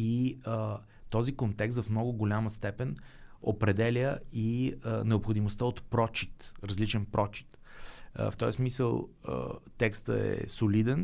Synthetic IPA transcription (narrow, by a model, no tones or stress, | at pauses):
iə | t̪ɔzikont̪ɛkst̪vɐfmnɔɡʊɡolʲaməst̪ɛpɛno̰pɾɛd̪ɛlʲəinɛopxod̪imost̪əot̪pɾɔt͡ʃit̪ɾəzlit͡ʃɛnpɾʔɔt͡ʃi̥t̪ə̰ft̪ɔjsmisəlˠə̰t̪ɛkst̪ə̰ɛ̰solid̪ɛn